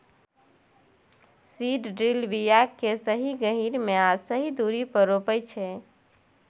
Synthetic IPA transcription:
siɖɖɾilbijakːesəɦiɡəɦiɾmeasəɦid̪uɾipəɾopəjt͡ʃʰɛ

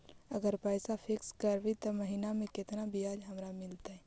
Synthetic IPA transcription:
ɐɡəɾpɛːsapʰɪkskəɾbit̪omɐɦinamẽkɪt̪nabijaːd͡ʒɦɐmɾamɪlt̪aɦɛː

